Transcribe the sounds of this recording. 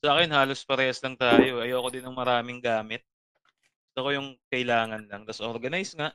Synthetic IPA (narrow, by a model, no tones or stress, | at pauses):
saʔaːkɛnhaːlospɐɾɛhɐslɐŋt̪aːjo̞ʔɐjoːɐko̞d̪ɪnɐŋmɐɾaːmɪŋɡaːmɪt̪̚ | ɡʊst̪okojʊŋkɐʔɪlaːŋɐnlɐŋt̪ɐsʔoɾɡɐnajsŋaʔ